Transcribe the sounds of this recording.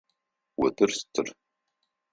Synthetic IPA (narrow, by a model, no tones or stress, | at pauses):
wɐdɨrstʰɨr